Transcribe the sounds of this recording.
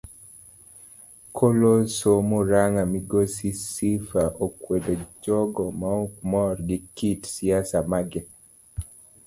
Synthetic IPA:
kʰolosomoɾaŋamiɡosisifaʔokwedod͡ʒɔɡɔmaok̚mɔrɡɪkitsiasamaɡɛ

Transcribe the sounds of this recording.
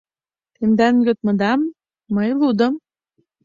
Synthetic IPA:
t̪emd̪ænjøt̪̚mɤ̆d̪ɑmː | əjlˠud̪ɤ̆m

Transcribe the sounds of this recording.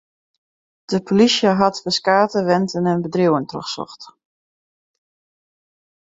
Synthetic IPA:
d̥əpʰolisjəɦɑtfəskaːtəʋɛntənənbədruwəntro̰xsɔ̰xt

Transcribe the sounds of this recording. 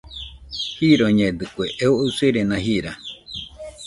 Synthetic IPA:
hiɾoɲẽd̪ɨkʷeʔeooseɾenãhiɾa

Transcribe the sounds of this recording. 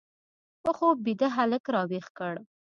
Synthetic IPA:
əxobid̪aɦaləkɾɑwexkəɽ

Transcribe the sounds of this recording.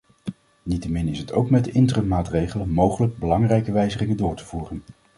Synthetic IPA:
nitəmɪnɪsɦətʰowkmɛdəʔɪntrəmmaːtrejχələnmowχələɡ̚bəlɑŋrɛjkəʋɛjzəχɪŋəndʊːɹtəv̥uːrən

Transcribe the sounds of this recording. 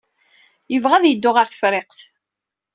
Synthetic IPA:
jəvʁæðjəd̪ːʊʁaɾθə̥fɾeqθ

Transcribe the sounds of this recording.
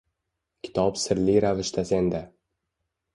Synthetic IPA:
kʲʰɪ̥t̪ʰɒpsɪɾlijɾavɪʃt̪ʰasend̪a

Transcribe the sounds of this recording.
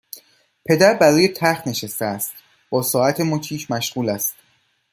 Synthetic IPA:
pʰe̞d̪æɾbæɾɔːjet̪ʰæɾxt̪ne̞ʃæst̪eæst̪ | b̥ɒːsɒːæt̪ʰemocʰiːʃʰmæʃɢ̥uːlæst̪

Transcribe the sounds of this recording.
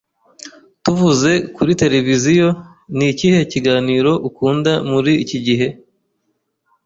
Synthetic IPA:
tuvuze̞kuɾite̞ɾe̞vizijo̞ | niciːhe̞ciɡaːniːɾo̞ʔukuːndamuɾiːciɟiɦe̞

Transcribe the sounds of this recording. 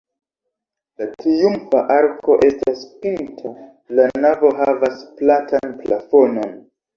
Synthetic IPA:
latɾijumfaʔaɾkʰo̞ʔe̞staspintʰa | lanavo̞ɦavasplatanpla̰fono̞n

